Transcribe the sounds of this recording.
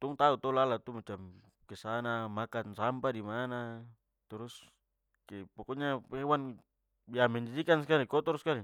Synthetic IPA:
t̪uŋt̪aut̪olalat̪umat͡ʃam | kesanamakansampadimana | t̪uɾus | kepokoɲapewan | biamɛnd͡ʒidikanskaɾikɔt̪ɔɾskaɾi

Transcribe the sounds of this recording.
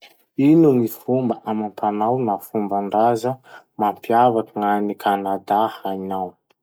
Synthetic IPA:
inuŋifumbəʔamampanawnafumbaɳɖ͡ʐazə | mampiavakaŋanikʰanad̪ahajnaw

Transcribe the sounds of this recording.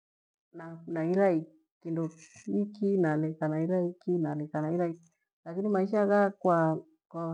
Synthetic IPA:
nanaiɾai | kindɔikinalɛkanaiɾaikinalɛkanaiɾai | lakinimaiʃ̬aɣakwa | kwa

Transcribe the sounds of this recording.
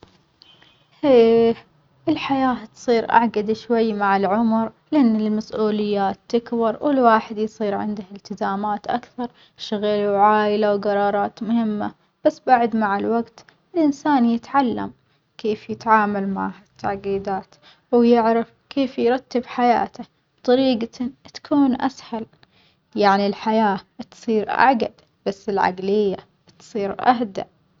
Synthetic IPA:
heː | ʔɪlħajaːt̪sˤiːɾʔa̰ʕɡad̪ʃwajːmaʕɪlʕʊmɾlɪʔanːɪlmasʔuːlɪjːaːt̪ːɪkbɑɾˤwɪlwaːħɪd̪jsˤiːɾʕɪ̰nd̪ahɪlt̪ɪzaːmaːt̪ʔakθɑɾˤ | ʃaɣalwʕaːʔɪlawɡɑɾˤɑːɾˤɑːt̪mʊhɪmːa̰ | b̥asːbaʕd̪maʕɪlwaɡt̪ | ɪlʔɪnsaːnjɪt̪ʕalːa̰m | keːfjɪt̪ʕaːmalma̰ʕhat̪ʰːaʕɡiːd̪aːt̪ | wjɪʕɾafkeːfjɾˤɑt̪ːɪbħaja̰ːt̪a | b̥t̪ˤɑɾiːɡat̪ḁkʰuːnʔa̰shal | jaʕnilħajaːt̪sˤiːɾʔa̰ʕɡa̰d̪ | b̥asːɪlʕa̰ɡlɪjːa | t̪sˤiːɾʔahd̪a̰ʔ

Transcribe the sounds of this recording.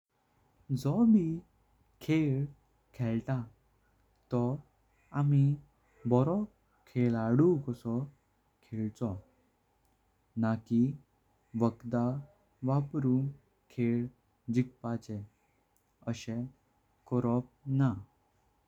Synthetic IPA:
d͡zɔbi | kʰeɭ | kʰɛɭt̪a | t̪ɔ | ami | bɔɾɔ | kʰeɭaɽukəsɔ | kʰɛɭt͡sɔ | naki | ʋəkd̪a | ʋapɾun | kʰeɭ | d͡ʑik̚pat͡ɕɛ | əɕɛ̃ | kɔɾɔp̚na

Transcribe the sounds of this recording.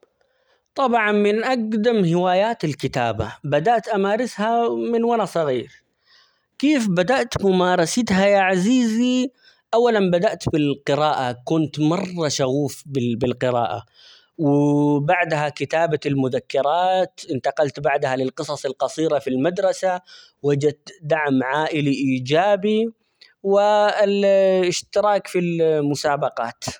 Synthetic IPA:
t̪ˤɑbʕɑnmɪnʔaɡd̪amhɪwaːjaːt̪alkɪt̪aːba̰bad̪aʔt̪ʔamaːɾɪshamɪnwaɾasˤɑɣiːɾ | keːfbad̪aʔt̪mʊmaːɾˤɑsɪt̪ɦajaʕaziːzi | ʔawːalanbad̪aʔt̪bɪlqɪɾaːʔakʊnt̪mɑrˤːɑʃaɣuːfbɪbɪlqɪɾa̰ːʔa̰ | wɪbaʕd̪hakɪt̪aːbalmʊðakːɪɾˤɑːt̪ʔɪnt̪ɑqɑlt̪baʕd̪halɪlqɨsˤɑsˤɑlqɑsˤiːɾafilmad̪ɾˤɑsa | wad͡ʒat̪d̪aʕmʕaːʔɪliʔiːd͡ʒaːbi | wɪlɪʃt̪ɪɾɑːkfilmʊsaːbɑqɑːt̪

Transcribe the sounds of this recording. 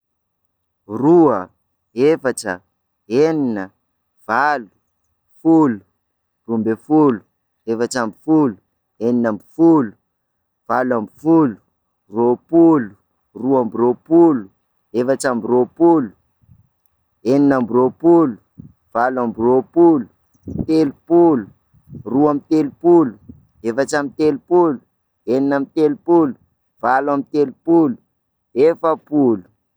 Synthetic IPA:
ruə | efaʈ͡ʂə̰ | eninə | v̥alu̥ | fulu̥ | rumbefulu̥ | efaʈ͡ʂambifulu̥ | eninambifulu̥ | v̥alambifulu̥ | ropulu̥ | ruambiropulu | efat͡ʃambiropulu̥ | eninambiropulu̥ | v̥alwambiropulu̥ | t̪elupulu̥ | ruamit̪elupulu̥ | efat͡ʃamit̪elupulu̥ | eninamit̪elupulu̥ | v̥alwamit̪elupulu̥ | efəpulu̥

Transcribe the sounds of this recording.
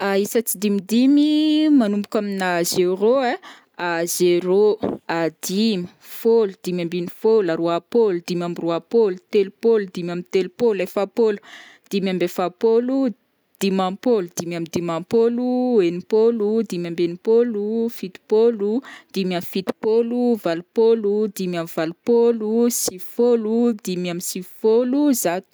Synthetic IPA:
aisət͡sid̪imid̪imimanumbukʲaminazeɾoe | azeɾoad̪imi̥ | folud̪̥imambinifolaɾoapolud̪imamiruapolut̪elupolud̪imamit̪elupolefapolu̥ | d̪̥imambefapolu | d̪̥imapolud̪imamid̪imapoluenipolud̪imambenipolufit̪i̥polud̪̥imamifit̪i̥poluvalupolud̪imamiv̥alupolusifolud̪imamisifoluzat̪

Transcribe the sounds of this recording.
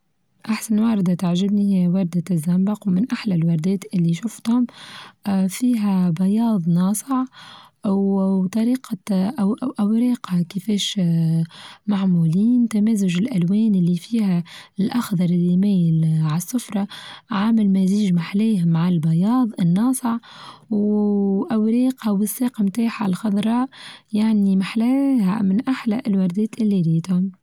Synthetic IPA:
ʔaħsanwɑɾˤd̪at̪aʕʒɪbnihjwɑɾˤd̪azːambɑqwmɪnʔaħlalwɑɾˤd̪ɛːt̪ʔɪlːiʃʊft̪hʊm | fiːɦæbɑjɑːðˤnɑːsˤəʕʔwt̪ˤɑɾiːqɑʔʔawɾɑːqɑkɪfɛːʃ | maʕmuːliːnt̪amɛːzʊʒɪlʔælwɛːnɪlːifiːhælʔɑxd̪ˤɑɾˤɪlːimæːjɪlʕasːʊfɾˤɑʕaːmɪlmæziːʒmaħlɛːhmːaʕalbɑjɑːðˤɪnːɑːsˤəʕwʔæwɾiːqɑwɪsːeːqɑmt̪aːħalxɑðˤɾˤɑːʔjaʕnimaħlɛːha̰mɪnʔaħlæ̰ʔɪlwɑɾˤd̪ɛːt̪ʔɪlːiliːt̪hʊm

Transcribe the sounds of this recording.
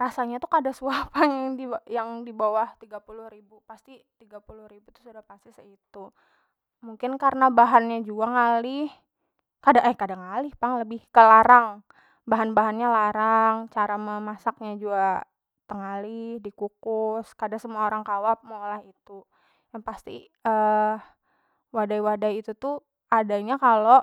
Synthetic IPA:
rasaɲat̪ukadasuahpaŋjaŋdijaŋdibawaht̪iɡapulʊhɾibupast̪it̪iɡapulʊhribut̪u̥sudahpast̪isəit̪u | muŋkɪnkaɾənabaɦanɲad͡ʒuaŋalɪh | kadaʔɛkadaŋalɪhpaŋləbɪhkəlaɾaŋ | baɦanbaɦanɲalaɾaŋt͡ʃaɾaməmasak̚ɲad͡ʒua | t̪əŋalɪhdikukʊskadaŋsəmuaoɾaŋkawap̚molahit̪u | jaŋpast̪ḭ | ə | wadajwadajit̪ut̪u | ʔadaɲakalo

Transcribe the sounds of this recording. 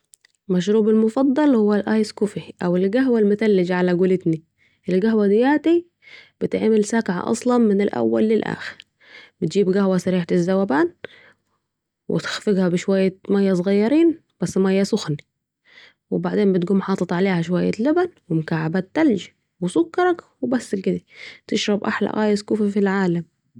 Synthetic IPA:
maʃ̬ɾuːbɪlmʊfɑd̪ˤːɑlhʊwːalʔaːjskʊfiʔawɪlɡaɦwalmʊt̪alːɪd͡ʒʕalaɡʊlɪt̪ni | ʔɪlɡaɦwad̪ɪjaːt̪i | b̥ɪt̪ɪʕmɪlsakʕa̰ʔɑ̰sˤlɑnmɪnɪlʔa̰wːa̰lːɪlʔa̰ːxɪɾ | b̥ɪt̪̚d͡ʒiːbɡahwasaɾiːħat̪ɪzːawabaːn | wʔɪ̰t̪xfɪɡhæbɪʃwajːamæjːæsˤɣɑjːɑɾiːn | b̥æsːmæjːasʊxni | wɪbaʕd̪eːmbɪt̪ɡuːmħɑːt̪ˤɑt̪ˤʕaleːhæʃ̬ʊwajːa̰lɪbænwɪmʊkaʕabaːt̪ːælʒ | wɪsʊkːɑɾˤɑkwɪbæsːɪlkɪd̪æt̪ɪʃɾˤɑbʔaħla̰ʔɣæːjɪskuːfafilʕaːlam

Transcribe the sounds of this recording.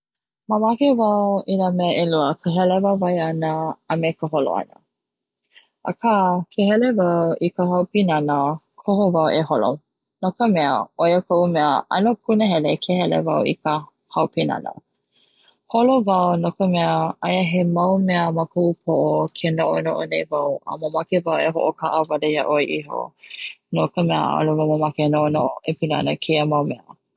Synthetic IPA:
məmakevɐwinamɛəʔeluəkʰəɦɛlevawvajɐnəːmekəɦolo̰ɐ̰nə̰ | ʔə̰kʰakʰehɛlevawikəɦɐwpinɐnə | kʰohovawʔeɦolo̰ | nokəmɛə̰ojəkʰoʔumɛəʔɐ̰nokʰunəɦɛlekʰehɛlḛvawḭkə | hawpinɐ̰nə̰ | holovɐwnokəmɛəʔajəɦemɐwmɛəməkoʔupʰoʔokʰenoʔo̰noʔonejvawə̰məmakevaweɦo̰ʔokʰaʔəvalejaʔoiʔiɦo̰nokəmɛə̰ʔa̰lovaməmakenoʔonoʔoʔepina̰nəkʰeəmɐwmɛə̰

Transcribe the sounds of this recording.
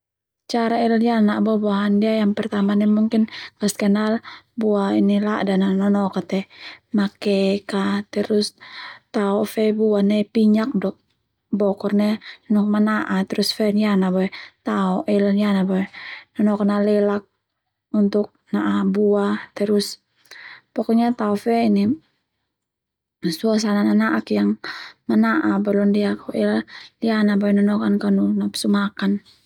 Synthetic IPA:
t͡ʃaɾailjanaʔbɔbuaɦandiajaŋpɛrt̪amanɛmuŋkɪnŋaskɛnalbuainilaʔdananɔnɔkat̪ɛmakɛkat̪ɛɾʊst̪aɔfɛbuanɛpiɲak̚dɔk̚ | bɔkɔrnɛnɔk̚manaʔat̪ɾusfɛnjanabɔɛt̪aɔʔɛllianabaɛnɔnɔkanalɛlak̚ | unt̪ʊk̚naʔabuat̪ɛɾʊs | pɔkɔɲat̪aɔfɛni | suas̬anananaʔakjaŋmanaʔabɛlɔndiakɔʔɛlalianabaɛnɔnɔkankanunapsumakan

